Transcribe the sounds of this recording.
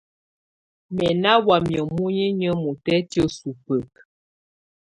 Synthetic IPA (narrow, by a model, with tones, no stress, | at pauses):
mɛ˨na˦wa˨mjə˨mu˦ɲi˦ɲə˦mu˨tɛ˦tjə˦su˨pə˨k̚